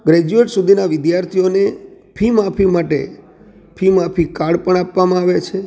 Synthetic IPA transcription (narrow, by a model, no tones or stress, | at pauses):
ɡɾɛd͡ʒueʈsud̪ʱinaʋɪd̪jaɾt̪ʰijone | pʰimapʰimaʈḛ | pʰimapʰikaɽpəɳ̃apʋamãaʋet͡ʃʰe